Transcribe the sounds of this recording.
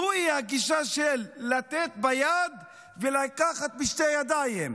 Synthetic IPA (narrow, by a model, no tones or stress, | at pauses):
uihaɡiʃaʃelːat̪et̪bajad̪ | velakaχat̪̚miʃtejad̪ajem